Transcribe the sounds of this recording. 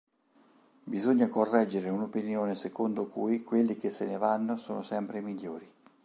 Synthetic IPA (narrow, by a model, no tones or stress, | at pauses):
bizoɲːakorːɛd͡ʒːeɾeunopinjoːnesekond̪okujkwelːik̟esːenevanːosoːnosɛmpɾemiʎːoːɾi